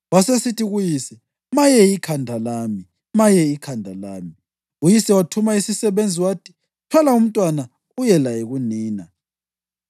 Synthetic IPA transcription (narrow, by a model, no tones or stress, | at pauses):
wasesitʰiɣujisɛ | majɛikʰandʱalaːmi | majɛikʰandʱalaːmi | ujisɛwatʰumaisisɛβend͡zʱiwaːtʰi̥ | tʰwalaum̩tʼwana | ujɛlajeɣuniːna